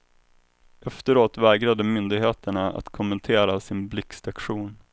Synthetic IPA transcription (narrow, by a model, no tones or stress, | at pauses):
ʔɛft̪əɾoːt̪vɛːɡɾad̪əmʏnd̪ɪɡɦeːt̪əɳaa̰t̪kʰʊmːənt̪ʰeːɾasɪnblɪkst̪akɧuːn